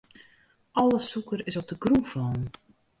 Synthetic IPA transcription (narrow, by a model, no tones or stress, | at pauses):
ʔɔlˠəsukəɾɪsɔp̚dəɡrufɔːn